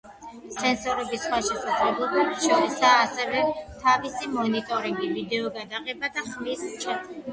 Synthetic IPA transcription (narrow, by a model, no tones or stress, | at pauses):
sɛnsɔɾɛbisχwaʃɛsad̪zlɛblˠɔbɛbʃɔɾɛsaːsɛvɛt̪ʰavisimɔnit̪ʼɔɾiŋɡivid̪ɛɔɡad̪aʁɛbad̪aχmist͡ʃʼɛt̪